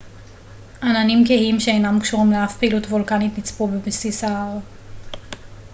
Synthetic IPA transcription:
ʔananimkehimʃeejnamkʃuʁimleafpeilutvulkanitnit͡spubebsisaaʁ

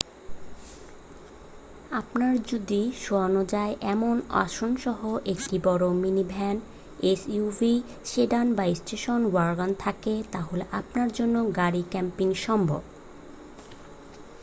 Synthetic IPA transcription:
apnaɾd͡ʑud̪iʃoanod͡ʑaeʔɛmona̰ʃonʃɔɦoʔek̚ʈibɔɾominibʱɛn | esuvi | ʃeɖanbaisʈeʃonwaɾɡant̪ʰaket̪aɦoleʔapnaɾd͡ʑonːoɡaɾikɛmpiŋʃɔmbʱo̰b

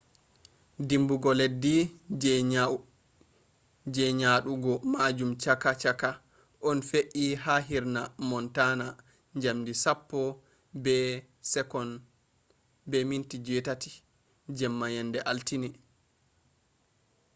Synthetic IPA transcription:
dimbuɡɔledːid͡ʒɛa | d͡ʒɛɲaɗuɡɔmad͡ʒumt͡ʃakat͡ʃaka | ʔɔnfeʔiɦaɦiɾnamɔntana | ɲd͡ʒamdisapːɔ | bɛ | sɛkɔn | bɛmintid͡ʒɛtati̥ | d͡ʒɛmːajɛndɛʔaltini

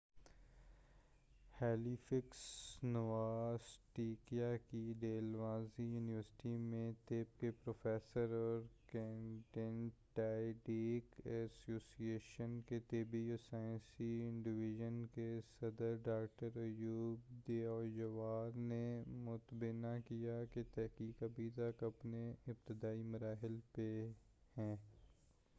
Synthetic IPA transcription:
hɛːlifɪksnɐʋaːzʈiːkijakiɖeːlʋãːzijuːniʋəɾsɪ̥ʈimẽt̪eːp̚kepɾoːfeːsəɾɔːɾkẽːɳʈẽnʈaːɪɖiːkɛsoːsieːʃənket̪eːbiɔːsaːɪ̃nsiɪ̃ɳɖɪʋɪʒənkesɐd̪əɾɖaːk̚ʈəɾɐjuːbd̪eːɔːjɐʋaːɾnemʊt̪bɪnakijaket̪ɛɦkiːkɐbʱit̪əkɐpneɪb̚t̪ɪd̪aːimɐɾaːɦɪlpe | hɛ̃ː

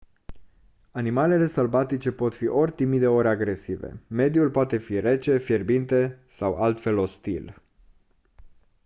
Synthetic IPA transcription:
animale̞le̞səlbat̪it͡ʃe̞po̞t̪fiʔo̞rʲt̪imid̪e̞o̞ɾʲaɡɾe̞sivḛme̞d̪julpoat̪e̞fiɾe̞t͡ʃe̞fjerbint̪e̞ | sawalt̪fe̞lo̞st̪ḭl

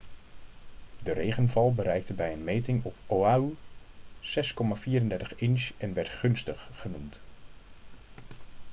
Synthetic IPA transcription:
dərejχənvɑlˠbəɾɛjk̚təbɛjənmejtɪŋɔpoau | sɛskɔmaːviːɾəndɛɹtəχɪnʃɛnʋɛɹtχɵnstəχːənumt

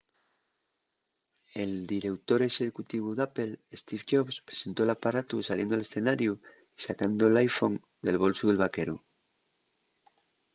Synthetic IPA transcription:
e̞ld̪iɾe̞wt̪o̞ɾe̞ʃekut̪iβ̞uðape̞lest̪ifʝoβspɾese̞nt̪o̞elapaɾat̪usaljend̪oale̞sθe̞naɾju | isakand̪olajfo̞ŋ | d̪e̞lβ̞o̞lsoðelβ̞ake̞ɾu

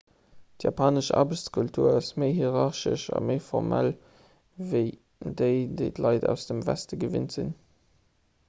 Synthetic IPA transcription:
tjɑːpʰaːnəʃɑ̰ːbəɕt͡skʰultʰuːɐɑsməɪɦiʁɑʁʃə̰ʃɑ̰məɪfɔʁmʔæl | vəɪ | dəɪdəɪtlɑɪdæʊsd̥əmvæstəɡəvintz̥in

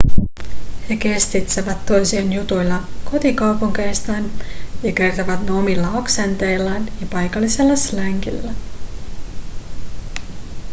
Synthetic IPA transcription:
he̞ke̞st̪it̪seʋæt̪ːo̞jsienjut̪ujlːɑko̞t̪ikɑwpuŋke̞jst̪ɑːnjɑke̞rt̪oʋɑt̪nomilːɑoksent̪e̞jlːɑnjɑpɑjkɑlːise̞lːɑslæŋkḭlːæ

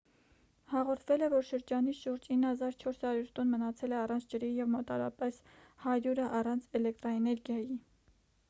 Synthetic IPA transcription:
hɑʁɔɾt̪ʰvɛlɛvɔɾʃəɾd͡ʒɑniʃuɾd͡ʒinːhɑzɑɾt͡ʃʰɔɾshɑɾjuɾt̪ɔnmənɑt͡sʰɛlɛɑrɑnt͡sʰd͡ʒəɾijɛvmɔt̪ɑɾɑ̰pɛs | hɑɾuɾəʔɑrɑnt͡sʰɛlɛk̚t̪ɾɑɛnɛɾɡjɑji

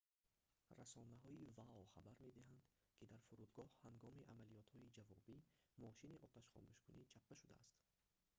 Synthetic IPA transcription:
rasɔnaɦɔivaɔχabaɾme̞d̪iɦand̪ | kʰid̪aɾfuɾud̪ɡɔhhaŋɡɔmiʔamalijɔt̪hɔid͡ʒavɔ̰bimɔʃiniʔɔt̪ʰaʃχɔ̰muʃkʰṵnʔit͡ʃʰap̚ːaʃud̪a̰ːst̪

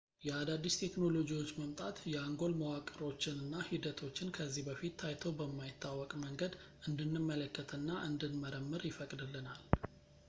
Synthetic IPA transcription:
jɛad̪ad̪ːist̪ʰe̞kno̞lo̞d͡ʒiwo̞t͡ʃːməmt̪ʼat̪jɛaŋɡo̞lməwakʼəɾo̞t͡ʃːɪnɨnːahid̪ət̪ʰo̞t͡ʃːɪnkʰəzːihbəfit̪ːʰajt̪ʰəwbəmːajɪt̪ʰːawːɔkʼməŋɡəd̪ʔɨnd̪ɨnːɨmːələkːət̪ʰənːaʔɨnd̪ɨnməɾəmːɨɾjɪfəkʼd̪ɨlːɨnal

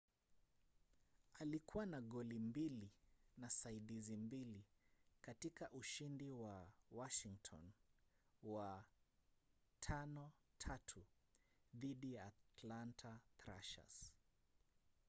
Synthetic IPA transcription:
alikuwanaɠɔlimbilinasaiɗizimbilikatikaʔuʃindiwawaʃiŋtʰɔ̰n | wa | tʰanɔtʰatʰu | ðiɗijaːtlantʰaθɾa̰ʃa̰s

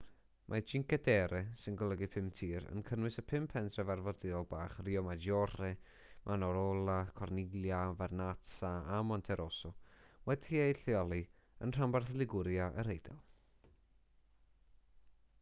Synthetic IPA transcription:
mʔad͡ʒɪŋkɛdɛɾɛsɪnɡɔlˠəɡipʰɪmtʰiːɾə̰nkʰənwɨsəpʰɪmpʰɛntʰrɛvarvɔrdɪɔlˠbaːχriɔmad͡ʒjɔrɛ | mʔanɔɾɔlˠakʰɔrnɪɡljavarnataamɔntʰɛɾʔɔsɔwɛdhiːejɬjɔlˠi | ə̰nr̥ambarθlˠɪɡʊɾjaʔə̰ɾejdɛ̰lˠ

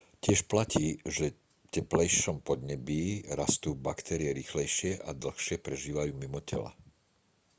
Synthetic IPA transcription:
cɪɛʃplaciːʒɛ | cɛplɛjʃɔmpɔd̪ɲɛbiːɾast̪uːbakt̪ɛɾɪɛɾiːxlɛjʃɪɛʔad̪l̩ˠxʃɪɛpɾɛʒiːʋajuːmimɔcɛ̰la̰

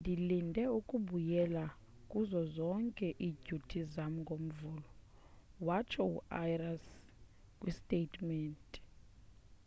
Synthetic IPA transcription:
ndʱilindʱɛukʼuɓujɛla | kʼuzɔzɔŋkʼɛʔiɟutʰizamŋɡʱom̩vuːlɔ | wat͡ʃʰɔṵajras | kʼwistʼetʰʼmɛːntʼi̥

